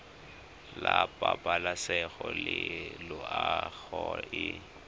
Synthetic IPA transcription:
lapʼapʼalasɛɣɔlɪlʊaɣɔɪ

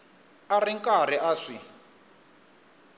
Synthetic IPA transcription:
ariŋkʼariʔaʂi

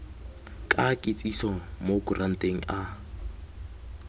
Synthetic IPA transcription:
kʼakʼɪt͡sʼisɔmokurʔan̩tʼeŋ̩ʔa

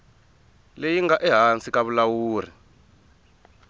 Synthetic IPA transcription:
lejiŋɡaʔɛɦant͡sik̬ʼaβulawuːri

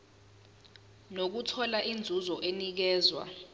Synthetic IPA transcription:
nok̬utʰɔlaʔind͡zʱuzɔʔenik̬ɛːzwa̰

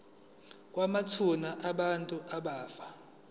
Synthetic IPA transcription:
k̬ʼwamat͡sʰunaʔaɓantʼuʔaɓaːfḁ

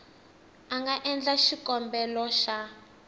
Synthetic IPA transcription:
aŋɡaʔɛnd͡ɮaʃikɔmbɛlɔʃa

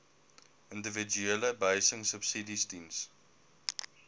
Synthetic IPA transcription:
ɪ̃ndəvəd͡ʒuɛləbeɪsɪ̃ŋsəbsidistins

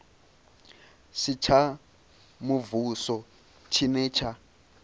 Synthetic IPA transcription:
sit͡ʃʰa | muvusɔ | t͡ʃʰinɛːt͡ʃʰa

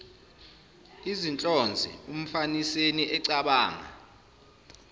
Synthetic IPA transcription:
izint͡ɬʼɔnd͡zʱḭum̩faniseniʔɛǀaɓaːŋa̰

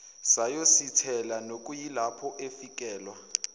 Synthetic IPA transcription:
sajositʰɛlanokʼujilapʰɔʔefik̬ʼɛːlwa

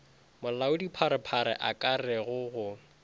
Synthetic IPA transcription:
mʊlaʊdipʰaɾɪpʰaɾɪ̰ʔakʼarɛɣʊɣʊ

